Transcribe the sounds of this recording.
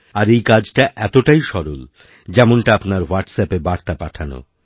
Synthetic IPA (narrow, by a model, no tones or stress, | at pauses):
aɾejkad͡ʑʈaʔɛt̪oʈajʃɔɾol | d͡ʑɛmonʈaapnaɾwaʈsɛpebaɾt̪apaʈʰano̰